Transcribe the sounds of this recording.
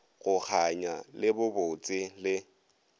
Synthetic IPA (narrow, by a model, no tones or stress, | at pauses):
ɣʊk͡xʰaɲa̰lɪbʊbʊt͡sʼɪlɪ